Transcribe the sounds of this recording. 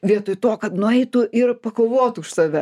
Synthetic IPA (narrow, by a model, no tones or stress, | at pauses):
ʋʲiɛt̪oːjt̪oːkɐt̪nʊɛɪt̪ʊʔɪrpɐkoːʋoːt̪ʊʊʃsɑːʋʲɛ